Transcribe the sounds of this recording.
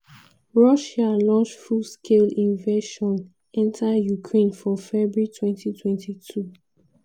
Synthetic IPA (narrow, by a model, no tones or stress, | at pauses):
ɹɔʃalɔ̃nt͡ʃfuskʰelĩnveʃɔ̃n | ɛ̃ntʰajukʰɹẽnfɔfɛbɹitʰwɛ̃ntitʰwɛ̃ntʰitʰu